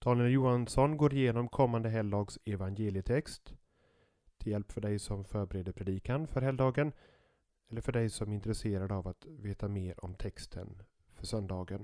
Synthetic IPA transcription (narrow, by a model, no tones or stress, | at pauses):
d̪̥ɑːnɪəljuːansɔnɡoːɾɪjeːnɔmkʰɔmːand̪əɦɛld̪ɑːɡsɛvanjeːlɪət̪ʰɛkst̪ | ɪljɛlpfœɖɛjsɔmfœːɾbɛɾeːd̪əpʰɾɛd̪iːkanfœɾɦɛld̪ɑːɡən | ɛlːəɾfœɖɛjsɔmɪnt̪ɾɛseːɾad̪əavat̪veːt̪ameːɾɔ̰mt̪ʰɛkst̪ʰə̰n | fœʂœnd̪ɑːɡən